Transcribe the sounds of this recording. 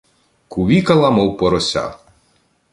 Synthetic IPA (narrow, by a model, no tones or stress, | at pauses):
kuʋʲikɐlˠɐmɔwpɔɾɔsʲa̰